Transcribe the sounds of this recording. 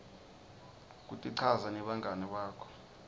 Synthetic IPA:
k̬ʼutʼiǀʰazanɛɓaŋʱanɛɓaːkʰɔ̥

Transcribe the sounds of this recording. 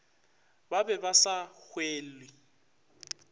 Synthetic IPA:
babɛbasak͡xʰweːlwɪ

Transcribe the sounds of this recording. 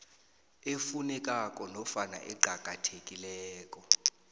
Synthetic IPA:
efunɛk̬ʼakʼɔnɔfana̰ʔɛɡ͡ǃʱaɡ̥ʱʼatʰekʼilɛːkʼɔ

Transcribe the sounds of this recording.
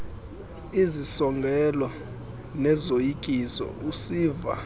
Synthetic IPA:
izisɔŋɡʱɛlɔ | nɛzojikʼisɔ̰usiːva̰

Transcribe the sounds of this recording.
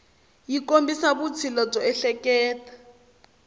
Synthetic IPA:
jikombisaβut͡sʰilɔb͡ʐɔɛɬɛkɛːtḁ

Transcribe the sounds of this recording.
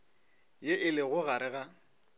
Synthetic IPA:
jeʔɪlɪɣʊɣaɾɪɣa

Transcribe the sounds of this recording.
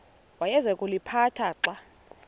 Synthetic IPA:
wajɛzɛkʼulipʰatʰaǁa

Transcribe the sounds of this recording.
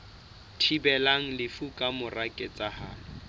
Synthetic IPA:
tʰibɛlaŋ̩lɪfukʼamʊrakʼɛt͡sʼahaːlɔ

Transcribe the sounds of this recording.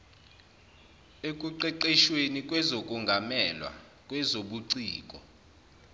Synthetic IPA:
ekʼuǃɛǃɛʃwenikʼwɛzokʼuŋɡʱamɛlwa̰ | kʼwɛzoɓuǀiːkʼɔ̰

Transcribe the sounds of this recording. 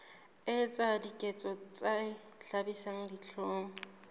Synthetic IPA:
ɪt͡sʼadikʼɛt͡sʼɔt͡sʼa | ɬabisaŋ̩diɬʰoːŋɔ

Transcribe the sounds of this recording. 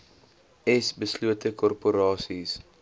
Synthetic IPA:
ɛsbəsluətəkɔrpuɾɑːsis

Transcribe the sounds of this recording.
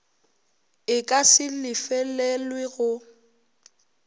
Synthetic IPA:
ɪkʼasɪlɪfɛlɛlwɪɣʊ

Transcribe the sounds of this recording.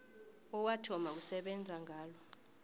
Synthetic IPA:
ɔwatʰɔmausɛɓɛnd͡zʱaŋʱaːlɔ

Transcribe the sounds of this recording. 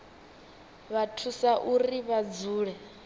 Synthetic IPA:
βatʰusaʔuriβad͡zuːɺɛ

